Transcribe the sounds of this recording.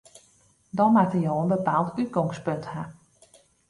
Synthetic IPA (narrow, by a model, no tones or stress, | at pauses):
dɔnmatəjoːənbəpaːlˠtyt̚ɡɔŋspøntha